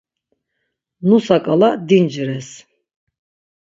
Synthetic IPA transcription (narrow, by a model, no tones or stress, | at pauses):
nusakʼalad̪ind͡ʒɾɛs